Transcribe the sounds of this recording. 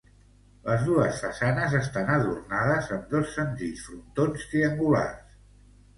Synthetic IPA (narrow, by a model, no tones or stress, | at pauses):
ləzðuəsfəsanəzəst̪anəð̞urnaðəzəmd̪ɔsːənziʎsfɾunt̪onst̪ɾiəŋɡula̰rs